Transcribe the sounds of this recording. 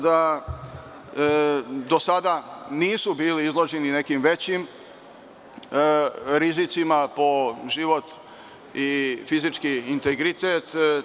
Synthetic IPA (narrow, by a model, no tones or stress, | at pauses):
d̪a | d̪o̞sad̪aniːsubiːliizlˠo̞ʒenine̞kimʋe̞t͡ɕim | ɾizit̪simapo̞ʒiʋo̞t̪ | ifizit͡ʃkiːnt̪eɡɾit̪eːt̪